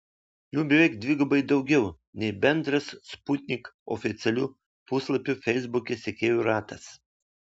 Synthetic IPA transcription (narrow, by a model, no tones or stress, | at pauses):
juːbʲɪʋɛɪkd̪ʲʋʲiːɡɐbɐɪd̪ɐʊɡʲɛʊ | nʲɛɪbʲɛnd̪ɾɐssput̪ʲnʲɪkɔ̰fʲɪt̪sʲɛlʲuː | puslˠɐpʲufʲɛɪzbʊkʲɛsʲɛkʲeːjʲuɾɑːt̪ɐs